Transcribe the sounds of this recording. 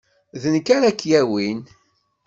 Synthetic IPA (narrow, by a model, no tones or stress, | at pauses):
ðənkaɾækːjæwin